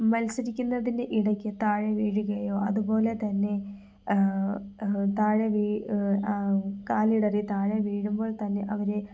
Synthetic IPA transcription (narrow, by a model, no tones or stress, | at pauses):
mɐlsɐɾikʲːunːɐðineʔiɽɐkʲːɨt̪aːɻeʋiːɻuɣɐjoːɐðubo̞ːle̞t̪ɐnːe̞ | t̪aːɻɐʋiː | kaːlijɽɐriit̪aːɻeʋiːɻumbo̞ːɭt̪ɐnːe̞ʔɐʋɐɾe